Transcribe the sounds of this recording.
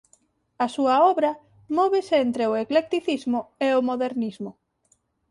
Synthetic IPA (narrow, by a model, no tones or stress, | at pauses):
asuɐɔβɾɐ | mɔβeseent̪ɾeoeklek̚t̪iθizmʊeomoðeɾnizmʊ